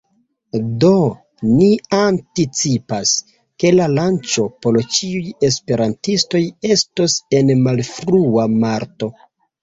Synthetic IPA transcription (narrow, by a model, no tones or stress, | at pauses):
do̞ | niantit͡sipas | ke̞lalant͡ʃo̞po̞lt͡ʃiuje̞spe̞ɾantisto̞je̞stose̞nmalfɾuamaɾto̞